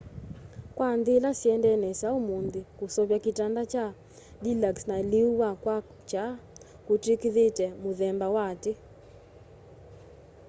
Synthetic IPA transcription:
kwand̪ɪlasjɛndɛnɛsaomondɪkosɔβjakitandat͡ʃa | lilaksnaliuwakwa | t͡ʃa | kotikiðetɛmoðɛmbawatɪ

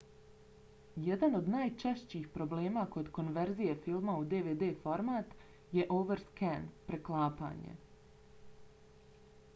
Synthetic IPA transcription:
jed̪ano̞d̪naːjt͡ʃeʃt͡ɕiːxpɾo̞bleːmako̞d̪ko̞nʋe̞ɾzije̞filˠmaud̪eʋeːd̪eːfo̞ɾmaːt̪ | je̞ʔoʋeɾskɛnpɾe̞klˠaːpa̰ːɲḛ

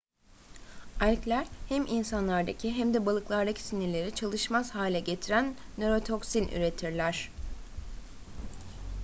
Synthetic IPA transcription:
ælʲclʲæɾhæmʔinsanlˠaɾd̪acʰiɦæmd̪ɛbalˠɯklˠaɾd̪acʰi̥siniɾlʲe̞ɾit͡ʃʰalˠɯʃmaz̥haːlʲɛɟe̞t̪ʰiɾænːøɾo̞t̪ʰo̞ksinʔy̰ɾe̞t̪ʰiɾlʲæɾ̥

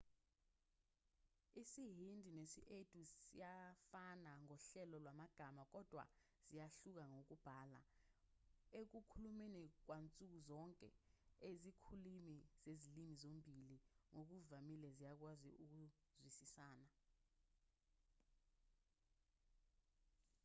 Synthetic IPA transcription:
isiɦindʱinesḭʔetʼusḭjafanaŋɔɬɛlɔlwamaɡ̥ʱamak̬ɔd̥ʱwa̰ | z̥ijaɬuk̬aŋok̬ub̥ʱaːla̰ | ek̬ukʰulumenik̬want͡sʼuk̬uzɔŋkʼɛ̰ezikʰulimiz̥ezilimizombʱiliŋok̬uvamilɛzijak̬wazḭuk̬uzwisisaːna

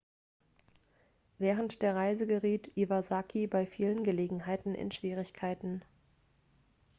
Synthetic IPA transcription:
vɛːʁəntd̥eːɐʁaɪzəɡəʁiːtʔivazakʰibaɪfiːlənɡəleːɡŋ̩ɦaɪtn̩ʔɪ̰nʃv̥iːʁ̞ɪçkʰaɪtn̩

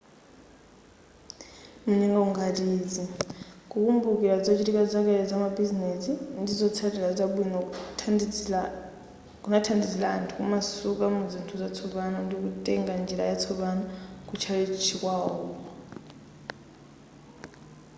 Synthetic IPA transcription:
munɛŋɡauŋɡatiːd͡zikukʼumbukiɾad͡zɔt͡ʃiɾikʼad͡zak̬ɛɾɔd͡zamabizinɛsindid͡zɔt͡sʰatilad͡zabwinɔ | kunatʰandid͡zilaːntʰukṵmasukʼamud͡zintʰud͡zat͡sʰɔβanɔndik̬utʼɛŋɡand͡ʒiɾa̰jat͡sʰɔβanɔkut͡ʃʰalɛt͡ʃʰikʼwaɔːkɔ

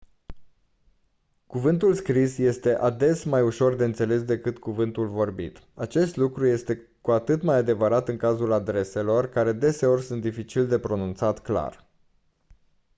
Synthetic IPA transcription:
kuvɨnt̪ulskɾisje̞st̪e̞ʔad̪e̞smajuʃo̞rd̪e̞ɨnt̪se̞le̞s̬d̪e̞kɨt̪kuvɨnt̪ulvo̞rbḭt̪at͡ʃe̞st̪lukɾuje̞st̪e̞ | kuat̪ɨt̪majad̪e̞vəɾat̪ɨŋkazulad̪ɾe̞se̞lo̞rkaɾe̞d̪e̞se̞o̞rʲsunt̪d̪ifit͡ʃild̪e̞pɾo̞nunt̪sat̪kla̰r

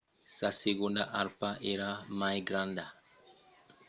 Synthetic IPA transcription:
saseɡonda̰ʔaɾpaʔeɾamajɡɾãnda

